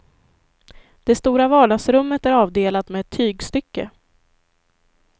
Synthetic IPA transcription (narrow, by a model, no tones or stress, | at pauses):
d̪̥ɛst̪uːɾavɑːɖɑɡsɾɵmːət̪æɾɑːvd̪eːlat̪mɛɛt̪ʰːyːɡst̪ʏkːə̰